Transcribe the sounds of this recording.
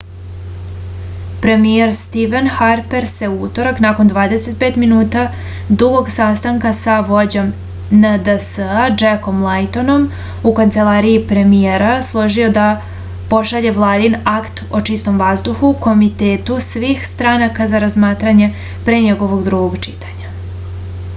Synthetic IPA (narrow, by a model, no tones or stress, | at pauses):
pɾe̞mijeɾst̪iʋenxaɾpe̞ɾse̞uut̪o̞ɾaknaːko̞nd̪ʋaːd̪ese̞t̪̚peːt̪minuːt̪a | d̪uɡo̞ɡsast̪aŋkasaʋo̞d͡ʑo̞m | nəd̪əsəad͡ʒeko̞mlˠajt̪o̞no̞m | ukant̪se̞lˠaːɾiipɾe̞mieɾaslˠoʒio̞d̪a | po̞ʃaʎeʋlˠaːd̪inakt̪o̞t͡ʂist̪o̞mʋazd̪uxuko̞mit̪e̞ːt̪usʋiːxst̪ɾanakazaɾazmaːt̪ɾaɲe̞ | pɾeɲeɡo̞ʋo̞ɡd̪ɾuɡoɡt͡ʃit̪ḁɲa